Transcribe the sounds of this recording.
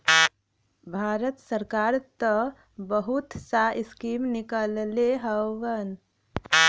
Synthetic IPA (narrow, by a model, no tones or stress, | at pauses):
bʱaːɾət̪səɾkaːɾt̪ə | bəɦut̪saɪskimnɪkəlleɦəʋən